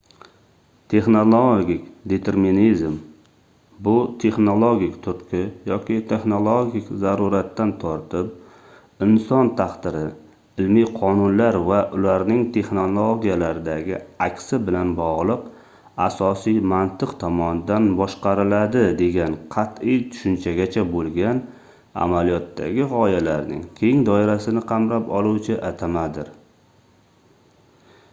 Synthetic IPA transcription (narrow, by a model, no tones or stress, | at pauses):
t̪ʰe̞χnolˠoɡʲikʲd̪e̞t̪ʰe̞ɾminizm | bʊt̪ʰe̞χnolˠoɡʲikʲt̪ʰʊt̪kʲʰɪjɒkʲʰɪt̪ʰe̞χnolˠoɡʲikʲzaɾuɾat̪ːant̪ʰɒɾt̪ʰɪp̚ | ɪnsɒnt̪ʰaχt̪ɪɾɪ | ɪlmijqʰɒnʊnlaɾvaʔʊlaɾnɪŋt̪ʰe̞χnolˠoɡʲijalaɾɪd̪aɡʲɪakʲsɪbɪlanbɒʁlˠɨq | asɒsijmant̪ʰɨqt̪ʰɒmɒnɪd̪anbɒʃqɑɾɪlad̪ɪd̪e̞ɡʲanqʰɑt̪ɪjt̪ʰʊ̥ʃʊnt͡ʃʰaɡʲat͡ʃʰabolˠɡʲan | a̰malijɒt̪ːa̰ɡʲɪʁɒjalaɾnɪ̰ŋkʲʰe̞ŋd̪ɒɪɾasɪnɪqʰɑmɾapɒlˠuwt͡ʃʰɪʔat̪ʰamad̪ɪɾ